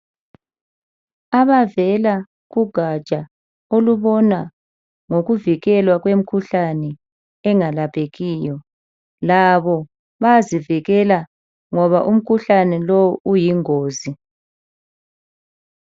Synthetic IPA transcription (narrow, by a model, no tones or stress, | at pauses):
aβavɛla | ɣuɡ̥ʱat͡ʃʼa | oluβɔna | ŋoɣuviɣɛlwaɣwem̩kʰuɬanɛ | ɛŋalapʰeɣiːjɔ | laβɔ | βaziviɣɛla | ŋɔβaʔum̩kʰuɬanɛlowuʔujiŋoːzi